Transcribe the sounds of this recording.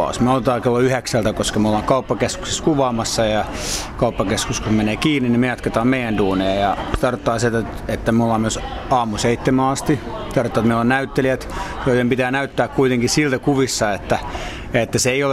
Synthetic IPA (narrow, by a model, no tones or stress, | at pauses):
ɑ̰usmeolt̪et̪ɑːkelːoyheksælt̪ækoskɑmeolːɑːŋkɑupːɑkesku̥kseskuʋɑːmɑsːɑjɑ | kɑupːɑkeskuskusmeneːkiːnːinnimejɑt̪ket̪ɑːmmeijænduːnejɑjɑst̪ɑrt̪ːɑːset̪æ | et̪ːæmeolːɑːmyøsɑːmuseit̪ːemæɑst̪i | t̪ɑrt̪ːɑːt̪meiolːɑnæyt̪ːeliæt̪kotempit̪æːnæyt̪ːæːkkuit̪eŋkissilt̪ækuʋisːɑet̪ːæ | jet̪ːæseeiol